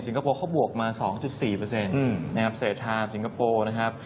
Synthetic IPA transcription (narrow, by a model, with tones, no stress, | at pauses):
si˨˦ŋkʰa˧poː˧kʰa˥˩wbu˨˩ək̚maː˧sɔː˩˦ŋt͡ɕu˨˩t̪̚siː˨˩pɤː˧se˧n˧na˦˥kʰa˦˥p̚seː˨˩t̪ʰːaː˧˩msi˩˦ŋka˧poː˧na˦˥kʰa˦˥p̚